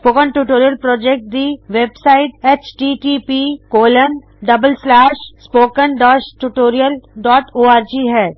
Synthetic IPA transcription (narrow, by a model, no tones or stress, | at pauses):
spoːkənʈuːʈoːɾijəlpɾɔːd͡ʒɛk̚ʈ̚d̪iʋeːbsaːɪʈɛːt͡ʃʈiʈipikoːlən | ɖɐbəlslɛːʃspoːkənɖɔːʃʈuʈoːɾijəlɖɔːʈoːaːɾd͡ʒiɦɛː